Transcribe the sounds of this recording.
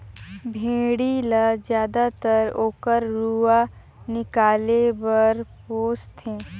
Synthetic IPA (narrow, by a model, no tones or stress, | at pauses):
bʱẽːɽiləd͡ʒjaːd̪at̪əɾoːkəɾːua | nɪkaːlebəɾpoːst̪ɦɛ̃ː